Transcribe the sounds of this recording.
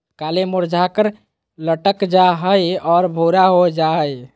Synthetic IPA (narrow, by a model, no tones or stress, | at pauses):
kalemoɾd͡ʒʱakəɾ | ləʈəkd͡ʒaɦəjɔːɾbʱoɾaɦod͡ʒaɦəj